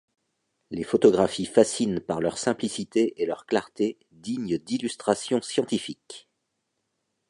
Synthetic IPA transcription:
lefɔt̪ɔɡʁafifasinpaʁlœʁsɛ̃plisit̪eʔelœʁklaʁt̪e | d̪iɲd̪ilyst̪χasjɔ̃sjɑ̃t̪ifik

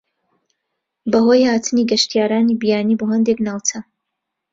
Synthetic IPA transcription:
bɐɦoːjhaːt̪ʰɨniɡɐʃt̪ijaːɾaːniːbijaːniːboːɦɐnd̪eknaːwt͡sɐ

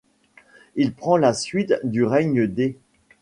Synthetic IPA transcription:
ilpχɑ̃lasɥit̪d̪yʁɛɲəd̪e

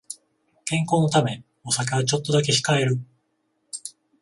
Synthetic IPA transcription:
kẽ̞ŋko̞ːno̞t̪amẽ | o̞sak̬eβat͡ɕo̞t̪ːo̞d̪ak̬e̞ɕi̥kaeɾɯ̟

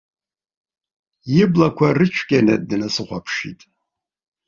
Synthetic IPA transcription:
jɪblakʷʰarɨt͡ʃʷʰkʲʼanɐ̰dɨnasɨχʷapʰʂḭtʼ

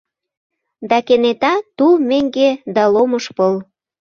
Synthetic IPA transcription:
d̪ɑkenet̪ɑt̪umeŋɡed̪ɑlomɤʃpɤl

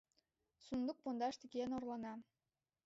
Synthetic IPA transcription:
sund̪uk̚pond̪ɑʃt̪iɡʲenorlˠɑnɑ

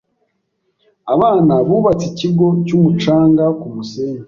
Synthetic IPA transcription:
aβaːnaβuβat͡siciɡo̞cumut͡ʃaːŋɡakumuseːɲa

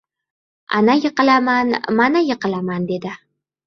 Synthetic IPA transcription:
a̰najɨqɨlamanmanajɨqɨlamand̪e̞d̪ɪ

